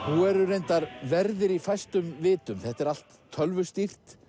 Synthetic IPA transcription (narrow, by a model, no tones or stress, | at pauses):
huɛɾʏɾejnt̪aɾvɛɾðɪɾifajst̪ʏmvɪːt̪ʏmθɛht̪ɛɾal̥t̪ʰːœlvʏst̪ir̥t̪